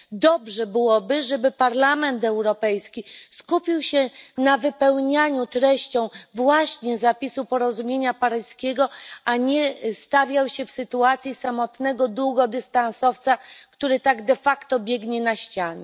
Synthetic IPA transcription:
d̪ɔbʐɛbɘwɔbɘʐɛbɘpaɾlamɛnt̪ɛwɾɔpɛjskʲiskupʲiwɕɛnavɘpɛwɲaɲut̪ɾɛɕt͡ɕɔ̃w̃vwaɕɲɛzapʲisupɔɾɔzumʲjeɲapaɾɘskʲeɡɔʔaɲɛst̪avʲjawɕɛfsɘt̪uat̪sʲjisamɔt̪nɛɡɔd̪wuɡɔd̪ɘst̪ansɔft̪sakt̪uɾɘt̪aɡd̪ɛfakt̪ɔbʲjɛɡɲɛnaɕt͡ɕaɲɛ

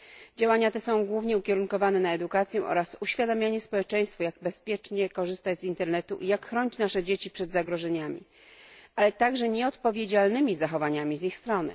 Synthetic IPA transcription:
d͡ʑawaɲat̪ɛsɔ̃w̃ɡwuvɲɛukʲɛɾuŋkɔvanɛnaɛd̪ukat̪sʲjɛ̃ʔɔ̰ɾasuɕfʲjad̪amʲjaɲɛspɔwɛt͡ʂɛ̃j̃st̪fujaɡbɛspʲjɛt͡ʂɲɛkɔʐɘst̪ad͡ʑzint̪ɛɾnɛt̪uʔijakxːɾɔɲit͡ɕnaʂɛd͡ʑet͡ɕipʂɛd̪zaɡɾɔʐɛɲamʲḭ | alɛt̪aɡʐɛɲɛɔt̪pɔvʲjed͡ʑalnɘmʲizaxɔvaɲamʲizixst̪ɾɔnɘ̰

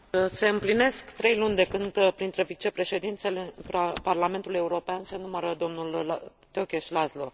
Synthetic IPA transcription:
se̞ɨmpline̞skt̪ɾe̞jlunʲd̪e̞kɨnd̪pɾint̪ɾe̞vit͡ʃe̞pɾe̞ʃe̞d̪int̪selepparlame̞nt̪uluje̞uɾo̞peansenuməɾəd̪o̞mnul | t̪eokʲeʃʲlazlo̞

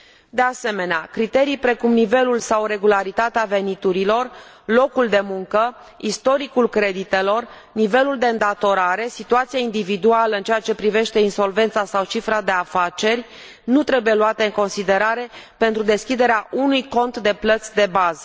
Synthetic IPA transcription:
d̪e̞ase̞me̞neakɾit̪e̞ɾijpɾe̞kumnive̞lulsawɾe̞ɡulaɾit̪at̪eave̞nit̪uɾilo̞r | lo̞kuld̪e̞muŋkə | ist̪o̞ɾikulkɾe̞d̪it̪e̞lo̞r | nive̞luld̪eɨnd̪at̪o̞ɾaɾe̞sit̪uat̪siaind̪ivid̪ualəɨnt͡ʃeat͡ʃe̞pɾive̞ʃt̪e̞inso̞lve̞nt̪sasawt͡ʃifɾad̪e̞afat͡ʃe̞rʲ | nut̪ɾe̞buje̞luat̪e̞ɨŋko̞nsid̪e̞ɾaɾe̞pe̞nt̪ɾud̪e̞skʲid̪e̞ɾeaʔunujko̞nt̪d̪e̞plət̪sʲd̪e̞bazə

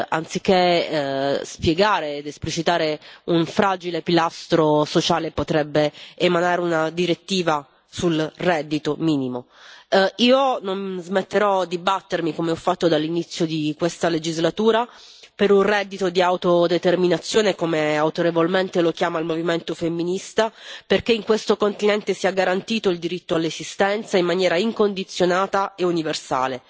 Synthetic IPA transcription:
a̰nt̪sikːe | spjeɡaːɾeːd̪esplit͡ʃit̪aːɾeuɱfɾaːd͡ʒilepilast̪ɾosot͡ʃaːlepot̪ɾɛbːeːmanaːɾeunad̪iɾet̪ːiːva | sulrɛd̪ːit̪omiːnimo | iːononzmet̪ːeɾɔd̪ibat̪ːermikomeɔfːat̪ːod̪alːinit̪sːjod̪ikwest̪aled͡ʒizlat̪uːɾapeɾunrɛd̪ːit̪od̪iawt̪od̪et̪erminat̪sːjoːnekomeawt̪oɾevolment̪elok̟jaːmailmoviment̪ofemːinist̪aperkeiŋkwest̪okont̪inɛnt̪esiaɡaɾant̪iːt̪oild̪iɾit̪ːoalːezist̪ɛnt̪saimːanjɛːɾaiŋkond̪it̪sːjonaːt̪aeuniversa̰ːle

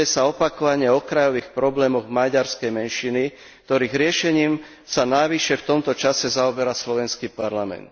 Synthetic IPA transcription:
ɛsaɔpakɔʋaɲɪɛɔkɾajɔʋiːxpɾɔblɛːmɔɣmaɟaɾskɛjmɛnʃini | k̚t̪ɔɾiːɣɾɪɛʃɛɲiːm | sanajʋiʃɛft̪ɔmt̪ɔt͡ʃasɛzaɔbɛɾaslɔʋɛnskiːpaɾlamɛ̰nt̪

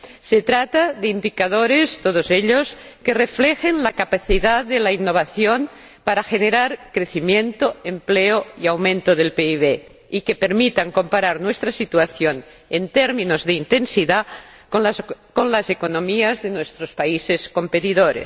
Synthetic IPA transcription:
set̪ɾat̪aðeind̪ikaðoɾest̪oðozeʎoskereflexenlakapaθiðaððelainːoβ̞aθjon | paɾaxeneɾaɾkɾe̞θimjẽnt̪oempleoiawmẽnt̪oðelpeiβ̞e | ikepeɾmit̪aŋko̞mpaɾaɾnwest̪ɾasit̪uaθjon | ent̪eɾmĩnozðeint̪e̞nsiða | konlasekonõmiazðenwest̪ɾospaisesko̞mpet̪iðoɾḛs

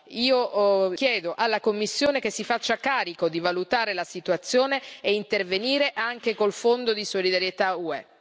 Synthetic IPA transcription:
iːok̟jɛːd̪oʔalːakomːisːjoːnek̟esːifat͡ʃːakaːɾikod̪ivalut̪aːɾelasit̪uat̪sːjoːneːint̪erveniːɾeʔaŋk̟ekolfond̪od̪isolid̪aɾjet̪auɛ

